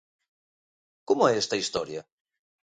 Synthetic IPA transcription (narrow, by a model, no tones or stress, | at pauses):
komoɛɛst̪ɐist̪ɔɾjɐ